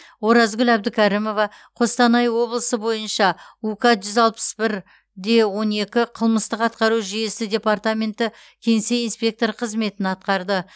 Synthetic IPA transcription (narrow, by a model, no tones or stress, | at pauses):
wo̞ɾɑzɡʲʏlæb̚d̪ɪkʲʰæɾimo̞vɑ | qʰo̞st̪ɑnɑjwo̞blˠəsəbo̞jənʃɑukɑʒʏzɑlˠpə̥sbɪɾ | d̪e̞wo̞ne̞kʲɪqʰəlˠməst̪əqɑt̪̚qɑɾuʒije̞sɪdʲe̞part̪amʲe̞nt̪ɪ | kʲʰe̞ŋse̞jinspʲe̞k̚t̪o̞ɾqʰəzme̞t̪ɪnɑt̪̚qɑɾd̪ə